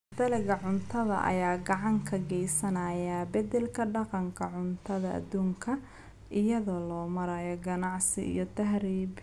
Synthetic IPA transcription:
d̪ɐlɪɣɐʕʊnt̪ʰɐðɐ̰ʔɐ̰jaːɡɑʕɑŋkʰɐɡɛjsɐnɐːjɐbɐd̪ɛlkʰɐɖɑqɑŋkʰɐʕʊnt̪ʰɐðɐʔɐ̰d̪uːŋkʰɐ | ʔɪjɐðɔːlɔːmɐɾɐjɔɡɐnɑʕsɪʔḭjɔt̪ʰɐɦɾiːb

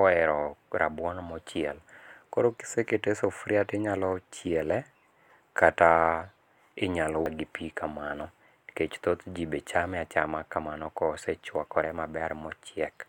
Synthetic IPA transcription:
kɔɛɾɔɾa̰bwɔnmɔt͡ʃjɛlkoɾoki̥seketesofɾjatɪɲalɔt͡ʃjɛlɛ | kata | ɪɲalɔwaɡipikamanɔ | ket͡ʃt̪ot̪d͡ʒibet͡ʃamɛat͡ʃamakamanɔkɔsɛt͡ʃwakɔɾɛmabɛɾmɔt͡ʃjɛk

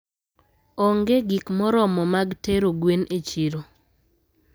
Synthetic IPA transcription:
ɔŋɡeɡikmɔɾɔmɔmaɡteɾoɡwenʔet͡ʃiɾo

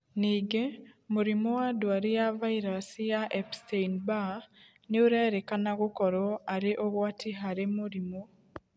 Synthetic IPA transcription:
niːɡemuɾimowadwaɾejavaiɾasijaʔɛpsteinba | neoɾaːɾekanaɣokɔɾɔaɾeʔoɣwatiɦaɾemuɾimo

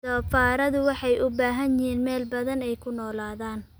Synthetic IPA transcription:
sɔːfaːɾɐðʊwɑħɑjʔʊbaːɦɐnjɪɦiːnmɛːlbɐðɐnɛjkʰʊnɔːlaːðaːn

